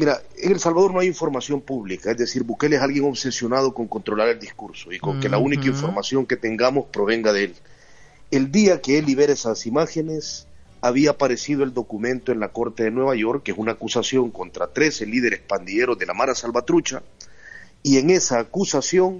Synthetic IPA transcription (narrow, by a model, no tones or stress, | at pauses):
miɾaeŋe̞lsalβað̞o̞ɾno̞ajiɱfo̞ɾmasjo̞mpuβlikae̞zðe̞siɾbuke̞lesalɣjeŋo̞βse̞sjo̞nað̞o̞ko̞ŋko̞nt̪ɾo̞laɾe̞ld̪iskuɾso̞iko̞ŋke̞launikaiɱfo̞ɾmasjo̞ŋke̞t̪e̞ŋɡamo̞spɾo̞β̞e̞ŋɡaðee̞l | e̞ld̪iake̞elːiβe̞ɾaesasimaxe̞ne̞s | aβiaːpaɾe̞siðo̞e̞ld̪o̞kumẽ̞nt̪o̞e̞nlako̞ɾt̪e̞ðe̞nwe̞β̞aʝo̞ɾkːesunaːkusasjo̞ŋko̞nt̪ɾat̪ɾe̞se̞lið̞e̞ɾe̞spand̪iʎe̞ɾo̞zðe̞la̰maɾasalβat̪ɾut͡ʃa̰ | ie̞ŋe̞saːkusasjo̞ŋ